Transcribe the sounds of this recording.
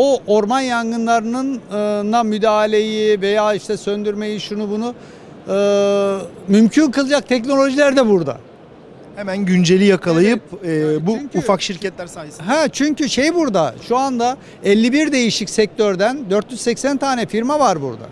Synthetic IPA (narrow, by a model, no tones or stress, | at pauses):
oʔoɾmanjaŋɡɯnlˠaɾɯnɯnɯnːamyd̪aːlʲe̞jive̞jaːiʃt̪ʰɛsø̞nd̪yɾme̞jiʃunubunu | ɯː | mymcʰynkɯlˠɯd͡ʒak̚t̪ʰɛcno̞lʲo̞ʒilʲæɾd̪ɛbuɾd̪a̰ | hemænɟynd͡ʒe̞lʲijakʰalˠajɯp̚ːbuːfakʃiɾcɛt̪lʲæɾsaːjsɦɛt͡ʃʰyɲcyʃe̞jbuɾd̪aʃuand̪a | ɛlʲːibiɾd̪e̞jiʃicsɛc̚t̪ʰøɾd̪ænd̪øɾt̪jyzsɛcsænt̪ʰaːnɛfiɾmavaɾbṵɾd̪a̰